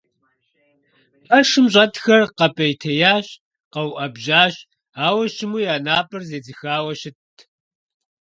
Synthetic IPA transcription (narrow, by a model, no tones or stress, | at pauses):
pɐʂɨmɕʼɐtxɐrqɐpʼɐjtʰɐjaːɕ | qɐwʔɐbʒaːɕ | aːwɐʃɪmuːjaːnaːpʼɨrzeːd͡zɨxaːwɐɕɪtʰ